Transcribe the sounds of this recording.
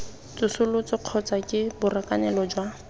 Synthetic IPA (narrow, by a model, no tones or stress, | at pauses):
t͡sʊsʊlʊt͡sɔq͡χʰɔt͡sakʼɪbʊrakanɛlɔd͡ʒwa